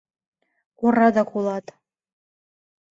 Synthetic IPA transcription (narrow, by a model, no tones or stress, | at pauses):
kurɑd̪ɑkʰulˠɑt̪